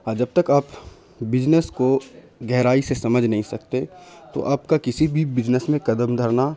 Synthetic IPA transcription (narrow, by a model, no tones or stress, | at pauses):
aːd͡ʒɐb̚t̪ɐkaːp | bɪd͡ʒnəsko | ɡɛɦɾaːisesɐməd͡ʒʱnɐɦĩsɐkt̪et̪o̰ʔaːpkakɪsibʱibɪd͡ʒnəsmẽkɐd̪əmd̪ʱəɾna